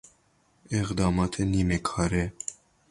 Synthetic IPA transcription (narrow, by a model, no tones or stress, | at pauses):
ɪxd̪ɑːmɑːt̪ʰeniːmɛkʰɑːɾɛ